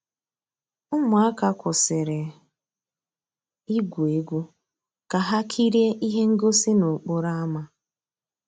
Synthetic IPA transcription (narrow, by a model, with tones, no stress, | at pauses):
ʊ˦mʊ˨a˦ka˨kʷʊ˨sɪ˨ɾɪ˨ | i˦ɡʷu˨e˨ɡʷu˦ | ka˨ɦa˦kʰi˦ɾje˦ʔi˦ɦe˦ŋ̩˦ɡo˦si˦no˨k͡pʊ˦ɾa˦a˦ma˦